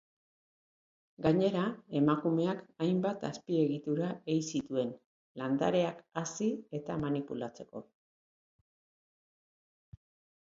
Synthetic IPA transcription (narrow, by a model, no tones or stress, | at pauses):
ɡaɲe̞ɾae̞makume̞akajmbat̪aspie̞ɣit̪uɾae̞jsit̪ue̞n | land̪a̰ɾe̞akasie̞t̪amanipulat͡se̞̥ko̞̰